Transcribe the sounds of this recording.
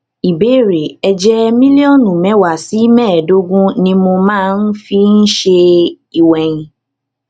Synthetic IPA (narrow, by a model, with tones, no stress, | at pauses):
i˨be˨˦˨ɾe˨ɛ˧d͡ʒɛ˦mĩ˦li˦ɔ̃˦nũ˨mɛ̃˨˦wa˨si˨˦mɛ̃ː˦˨do˦ɡũ˦nĩ˧mo˧mãː˦˧n̩˦fi˦n̩˦ʃe˧ | i˨wɛ̃˨ĩ˧